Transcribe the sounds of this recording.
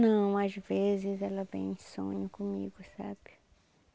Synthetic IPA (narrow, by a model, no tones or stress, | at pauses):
nɐ̃w̃azvezɪzɛlɐvḛ̃j̃sõ̰ɲʊkõmiɡʊsa̰b̥ɪ